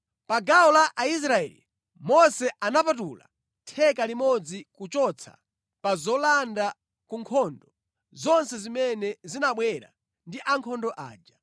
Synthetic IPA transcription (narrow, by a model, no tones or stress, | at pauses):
paɡaɔlaʔais̬ɾaɛ̰lḭ | mɔsɛʔanapatula̰ | tʰɛkalimɔd͡zikut͡ʃɔt͡sʰa̰ | pazɔlanda | kuŋkʰɔndɔ | zɔnsɛzimɛnɛzinaɓwɛɾa̰ | ndiʔaŋkʰɔndɔʔa̰ːd͡ʒa